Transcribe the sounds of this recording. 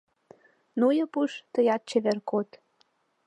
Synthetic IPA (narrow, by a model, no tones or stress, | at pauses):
nujɤ̆puʃt̪əjɑt̪̚t͡ɕĕβerkot̪